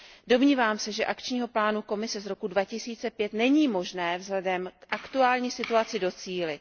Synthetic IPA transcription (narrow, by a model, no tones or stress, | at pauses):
do̞mɲiːvaːmsɛʒɛʔakt͡ʃɲiːɦo̞plaːnuko̞mɪsɛzɾo̞kudvacɪsiːt͡sɛpjɛt̪nɛɲiːmo̞ʒnɛːvzɦlɛdɛmkʔakt̪uaːlɲiːsɪt̪uat͡sɪdo̞t͡siːlɪ